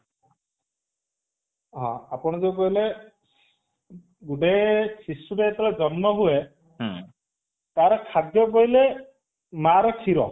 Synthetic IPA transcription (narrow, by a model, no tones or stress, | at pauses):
ɦɔ̰̃apɔɽ̃ɔd͡ʒekɔɦile | ɡuɖesʰisuɾeet̪ɔlad͡ʒɔnmɔɦue | t̪aɾɔkʰad̪jɔkɔɦile | maɾɔkʰiɾɔ